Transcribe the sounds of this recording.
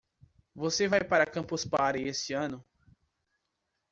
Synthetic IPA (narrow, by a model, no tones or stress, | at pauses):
vosevajpaɾɐkɐ̃mpospaɾɪesɪɐ̃nʊ